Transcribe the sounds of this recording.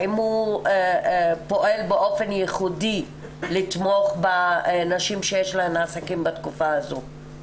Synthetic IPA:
imhu | po̞ʔe̞lbeʔo̞fe̞njeχudi | lit̪mo̞χbanaʃimʃejeʃlaemasakimbat̪kufaazo

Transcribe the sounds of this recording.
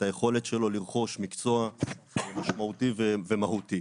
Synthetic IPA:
taje̞χo̞le̞tʃelo̞liʁχo̞ʃmikt͡so̞a | maʃmautivevemahut̪i

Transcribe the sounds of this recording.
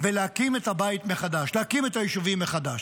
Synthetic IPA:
veleakimetabait̪me̞χad̪aʃleakimetajiʃuvimːeχad̪aʃ

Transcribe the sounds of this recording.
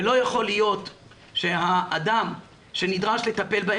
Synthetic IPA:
lo̞jaχo̞lijo̞t̪ | ʃe̞haʔːd̪am | ʃe̞nid̪ʁaʃle̞t̪ape̞lba

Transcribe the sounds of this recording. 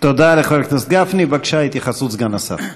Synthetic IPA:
t̪od̪alɛχvaɾkt̪asɡafnibakʃajt̪iχasut͡sɡanasa̰χ

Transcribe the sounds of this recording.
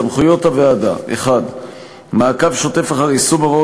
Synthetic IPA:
amχujo̞thavead̪a̰ʔḛχad̪ | maːkavʃo̞te̞faχaʁisumaʁo

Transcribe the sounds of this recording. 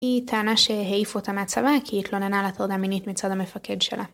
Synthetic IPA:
hitʰeːnaʃe̞ɦeifotameat͡savakʰihit̪lo̞nenalat̪odaːminitmit͡sad̪hame̞fake̞d̪ʃe̞̰lʔa̰

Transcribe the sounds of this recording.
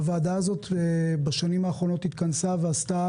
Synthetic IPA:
vaːdaazo̞tbaʃanimaːχʁo̞no̞t̪it̪kansaveasta

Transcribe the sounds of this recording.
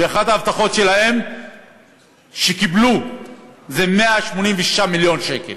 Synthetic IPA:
veːχadaavt̪aχo̞tʃe̞lahe̞m | ʃekiblu | zeme̞aʃmo̞nimveʃi̥ʃamiljo̞nʃe̞kḛl

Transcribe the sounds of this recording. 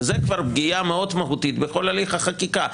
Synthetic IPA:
zekvaʁb̚ɡijameo̞d̪maɦut̪it̪beχo̞laliχaχakika

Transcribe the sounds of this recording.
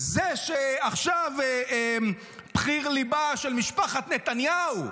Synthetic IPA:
zeʃeaχʃav | pχiʁlibaʃelmiʃpaχat̪net̪anjau

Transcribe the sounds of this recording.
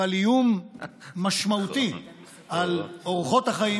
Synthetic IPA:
alijumː | aʃmaut̪i | aloʁχo̞t̪haχaji

